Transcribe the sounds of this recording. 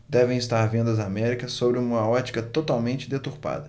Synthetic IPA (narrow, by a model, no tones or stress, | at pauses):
d̪ɛvẽj̃ɪst̪aɾvẽnd̪ɐzamɛɾikɐsːobɾɪũmɐɔt͡ʃi̥kɐt̪ot̪awmẽnt͡ʃɪd̪et̪uɾpa̰d̪ɐ